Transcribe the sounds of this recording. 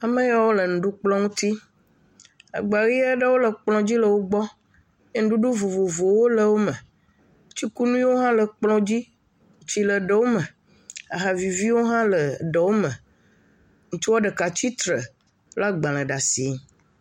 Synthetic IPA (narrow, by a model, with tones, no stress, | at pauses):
a˨mə˦ja˦wo˦lə˨nũ˨ɖu˦k͡plɔ̃˦ŋũ˦t̪i˦ | a̰˨ɡ͡ba˨ɾi˦a˦ɖə˦wo˦lə˨k͡plɔ̃˨d͡ʑi˦lə˨wo˦ɡ͡bɔ˦ | je˦ŋ̩̃˦ɖu˦ɖu˦vo˨vo˨vo˨wo˦lə˨wo˦mə̃˨ | t͡ɕi˦ku˦nũ˦ĩ˦wo˦ɦã˦lə˨k͡plɔ̃˦d͡ʑi˦ | ŋ˨t͡ɕi˦lə˨ɖə˦wo˦mə̃˨ | a˨ɦa˨vi˨vi˦wo˦ɦã˦lə˨ɖə˨wo˦mə̃˨ | ŋũ˨t͡ʃu˦wa˦ɖə˨ka˨t͡ɕi˦t̪ɾə˨ | la˦ɡ͡bã˨l̃ə̃˨ɖa˨si˨˦˨